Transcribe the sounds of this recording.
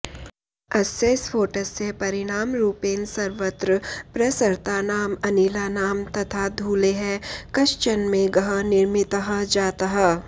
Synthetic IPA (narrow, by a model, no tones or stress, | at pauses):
ɐseːsfʰoːʈəsːepɐɾɪɽ̃aːmɾuːpeːnsɐɾʋət̪ɾəpɾɐsəɾt̪aːnaːmɐniːlaːnaːmt̪ɐt̪ʰad̪ʱuːleɦɛkɐʃt͡ʃənmẽɡɐɦənɪɾmɪt̪əɦəd͡ʒaːt̪aɦɛː